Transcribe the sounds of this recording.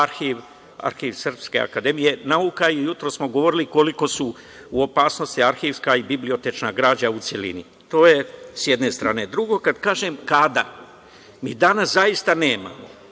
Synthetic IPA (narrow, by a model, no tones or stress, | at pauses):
aɾxiʋ | a̰ɾxiʋsər̩pske̞̰a̰kad̪e̞mijenaukaijut̪ɾossmo̞ɡo̞ʋo̞ɾiliko̞liko̞su | uo̞paːsno̞st̪iaɾxiʋskaibiblio̞t̪et͡ʃnaɡɾaːd͡ʑaut̪selḭnḭ | t̪o̞ːje̞sjed̪ne̞st̪ɾaːne̞d̪ɾuɡo̞kad̪kaːʒemkad̪a | mḭːd̪anaszaist̪ane̞ːma̰mo̞̰